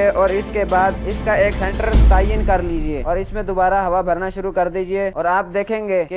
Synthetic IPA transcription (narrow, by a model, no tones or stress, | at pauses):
eʔɔːɾɪskebaːd̪ɪskaeːksɛ̃ɳʈəɾt̪aːjənkɐɾliːd͡ʒieːɔːɾɪsmẽd̪obaːɾaɦɐʋabʱɐɾnaʃʊɾukɐɾd̪iːd͡ʒieɔːɾaːp̚d̪eːkʰẽːŋɡeːke